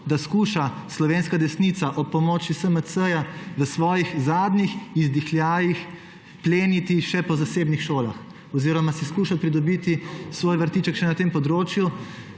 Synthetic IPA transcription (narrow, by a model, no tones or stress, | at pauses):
d̪askuːʃa | slɔʋeːnskad̪ɛsnit̪saʔɔpːɔmɔːt͡ʃisəməsəjaʋəsʋɔːjixzaːd̪nixizd̪ixljaːjix | pleːnit̪iʃɛpɔzaseːbnixʃoːla̰x | ɔziːɾɔmasiskuːʃat̪pɾid̪ɔbit̪isʋoːjʋəɾt̪iːt͡ʃəkʃɛnat̪eːmpɔd̪ɾoːt͡ʃju